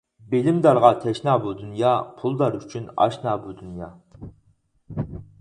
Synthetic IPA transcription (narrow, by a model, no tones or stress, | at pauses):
belɪmd̪ɑɾʁɑt̪ʰɛʃnɑːbud̪unjɑːpʰulˠd̪ɑɾyt͡ʃʰynɑ̰ʃnɑːbud̪unjɑː